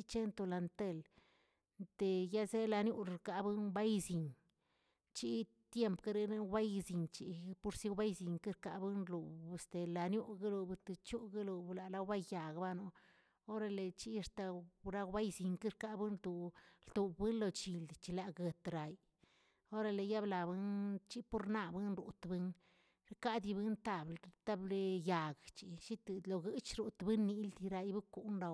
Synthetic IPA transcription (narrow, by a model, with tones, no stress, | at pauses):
i˦t͡ʃe˦nt̪o˧la˨nt̪e˧˨l | nt̪e˨ja˦ze˦la˧nju˦ɾɾka˨bɨ˦nba˦jzi˨ɲ | t͡ʃi˦ | t̪je˦mpka˦ɾe˧na˦ba˦jzi˨nt͡ʃi˨˦pu˦ɾsi˦wba˦jzi˨ŋki˦ɾka˨bɨ˦nlu˨st̪e˨la˨nju˦ɡa˦lu˧bt̪e˨t͡ʃu˦ɡa˦lu˨bla˨la˧wba˦jja˨ɡba˦no˦ | o˦ɾa˧le˨t͡ʃi˦˧st̪a˨ɾa˦ɡba˦jzi˨ŋkɨ˦ɾka˧bɨ˦nd̪u˨ld̪u˨bbɨ˦nlo˧t͡ʃi˨ld̪t͡ʃi˧la˨ɡə˨t̪ɾa˨j | o˦ɾa˧le˨ja˦bla˨bɨ˦nt͡ʃi˦pu˦ɾna˧bɨ˦nɾu˨t̪bɨ˦n | ɾka˦d̪i˧bɨ˦nt̪a˨blt̪a˦ble˦ja˨ɡt͡ʃi˨ʃi˦t̪lo˨ɡɨ˦t͡ʃɾu˨t̪bɨ˦nːi˧ld̪i˧ɾa˧jbɨ˦ku˦ʔnɾa˧